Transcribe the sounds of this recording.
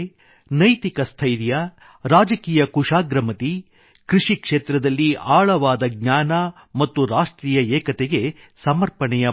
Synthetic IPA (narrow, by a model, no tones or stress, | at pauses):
nɐjt̪ikɐst̪ʰɐjɾjɐ | ɾaːd͡ʒɐkiːjɐkuʂaːɡɾɐmɐt̪i | kɾuʂikʂeːt̪ɾɐd̪ɐlːiʔaːɭɐʋaːd̪ɐɡ̚ɲaːnɐ | mɐt̪ːuɾaːʂʈɾiːjɐɛːkɐt̪ɛɡe̞ | sɐmɐɾpɐɳɛjɐ